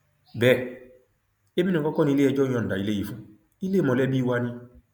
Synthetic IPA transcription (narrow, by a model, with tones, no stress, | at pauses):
bɛ˦˨ | e˦bi˦nɔ̃˨kɔ˦kɔ˦nĩ˧le˦ɛ˧˨d͡ʒɔ̃˦ɔ̃˨n̩˨da˨i˨le˦ji˨fũ˦ | i˦le˦mɔ̃˨lɛ˦bi˦wa˧nĩ˧